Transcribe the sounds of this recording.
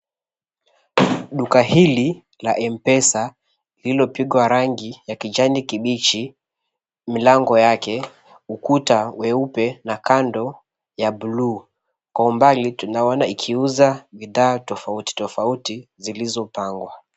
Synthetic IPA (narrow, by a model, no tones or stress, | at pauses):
ɗukahili | laʔɛmpɛsa | ililɔpiɠwaɾaŋɡijakid͡ʒanikiɓit͡ʃi | milaŋɡɔjakɛ | ukutawɛupɛnakandɔ | jabuluː | kwaumbalitunaɔnaikʰiuzaɓiðaːtɔfauti̥tɔfautizilizɔpaŋɡwa